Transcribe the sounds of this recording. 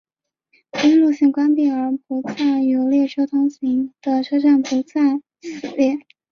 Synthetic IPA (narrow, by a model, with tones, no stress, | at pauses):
pi˥ŋlu˥˧ɕi˥˩ŋkwa˥npi˥˩ə˞˧˥pu˧˥t͡sʰa˥˩ɪjo˧˥ʊljɛ˥˩ʈ͡ʂʰo˥ʊt̪ʰʊ˧˥ŋɕi˧˥ŋd̪̥ə˧ʈ͡ʂʰɤ˥ʈ͡ʂa˥˩npu˧˥t͡sa˥˧ɪ | sɹɹ̩˨˧˩ljɛ˥˩